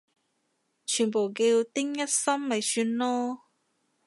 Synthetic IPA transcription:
t͡ʃʰyː˨˩npo˨˩wki˧wt̪ɪ˥ŋjɐ˥t̚sɐ˥mmɐ˨jsyː˧nlɔː˥

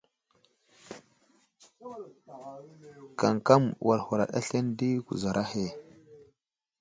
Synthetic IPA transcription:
ka˨ŋka˦mwa˨lhu˨ɾa̰˨ɗa̰˦ɬe˦ndi˦kṵ˨za˨ɾʔa˦he˦˨

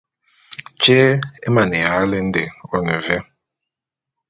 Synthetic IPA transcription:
t͡ʃeː˦e˦ma˨ne˨ja˨˦le˦n̩˦de˨ɔ˦ne˨ve˦

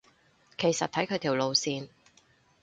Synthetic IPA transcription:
kʰe˨˩jsɐ˨t̚t̪ʰɐ˨˥jkʰɵ˧jt̪ʰiː˨˩wlo˨˧wsiː˨˧n

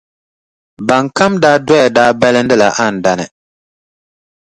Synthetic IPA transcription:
ba˨ŋka˦mdaː˦dwɔ˦ja˨daː˦bɛ˦lɨ˦n̩˦dɨ˦la˨ʔa˦˨n̩˨da˨nɨ˨

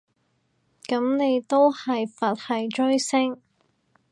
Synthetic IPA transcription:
kɐ˨˥mne˨˧jt̪o˥whɐ˨jfɐ˨t̚hɐ˨jt͡ʃɵ˥ɥsɪ˥ŋ

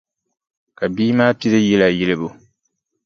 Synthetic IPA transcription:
ka˨biː˦maː˦ti˦ɾe˦je˦la˨je˦le˦bu˨

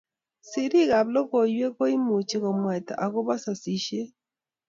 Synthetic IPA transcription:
si˨ɾi˦ɣa˨βlɔ˦ɣo˨jwe˦ɣo˦i˦mu˨t͡ʃi˨ɣɔ˨mwɛ˨ta̰˨ʔa˨ɣo˦βa˦sa˨si˦ʃe˦

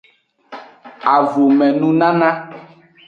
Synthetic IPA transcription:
a˨vo˨mɛ̃˨nũ˦nã˦nã˦

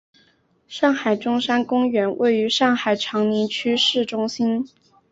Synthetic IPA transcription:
ʂɑ˥˩ŋxa˨˩ɪʈ͡ʂʊ˥ŋʂa˥nkʊ˥ŋɥɛ˧˥nwʔe˥˩ɪy˧˥ʂɑ˥˩ŋxa˨˩ɪʈ͡ʂʰɑ˧˥ŋni˧˥nt͡ɕʰy˥ʂɻ̩˥˩ʈ͡ʂʊ˥ŋɕi˥n

